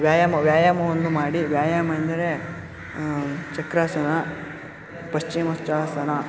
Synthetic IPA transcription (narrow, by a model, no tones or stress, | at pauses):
ʋjaːjaːmɐʋjaːjaːmɐʋond̪umaːɽiʋjaːjaːmɐɐnd̪ɐɾe | t͡ʃɐkɾaːsɐna | pɐʃt͡ʃimɐst͡ʃaːsɐna